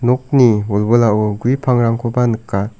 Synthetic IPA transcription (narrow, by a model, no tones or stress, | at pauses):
nɔk̚niɔlbɯlaʔoɡuipʰaŋɾaŋkʰɔbanɯkːa